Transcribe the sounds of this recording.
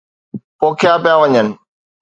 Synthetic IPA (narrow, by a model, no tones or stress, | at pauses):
poːkʰjapijaʋɐɲənɪ̆